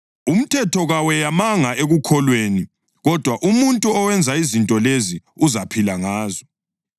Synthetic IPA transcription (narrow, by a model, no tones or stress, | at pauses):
um̩tʰɛtʰɔɣawɛjamaŋaʔeɣukʰɔlweːni | ɣɔd̥ʱwaʔumuntʼuɔwɛnd͡zʱaizintʼɔleziuzapʰilaŋaːzɔ